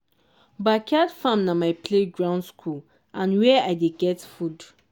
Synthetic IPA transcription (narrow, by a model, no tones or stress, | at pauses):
bakʰadfãmnamaɪpʰleɡɹãʊ̃ndskʰul | ãnwɛaɪdeɡɛtfud